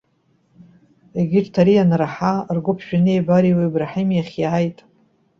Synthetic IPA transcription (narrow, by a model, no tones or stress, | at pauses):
eɡʲɪʈ͡ʂʼtʰaɾijanraħarɡʷʊpʰʃᶣanebaɾiwebraħemjaχʲjajtʼ